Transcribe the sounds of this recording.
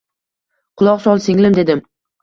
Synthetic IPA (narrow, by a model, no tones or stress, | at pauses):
qʰʊlˠɒqsɒlˠsɪŋlɪmd̪e̞d̪ɪm